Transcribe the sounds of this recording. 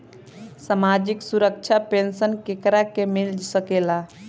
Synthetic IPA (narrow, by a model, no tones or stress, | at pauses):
samad͡ʒiksuɾək̚t͡ʃʰapensənkekɾakemild͡ʒsəkela